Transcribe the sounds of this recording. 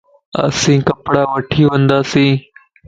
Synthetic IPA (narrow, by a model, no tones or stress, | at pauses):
ə̰sĩːkəpɽaːʋəʈʰiːʋə̃nd̪aːsĩː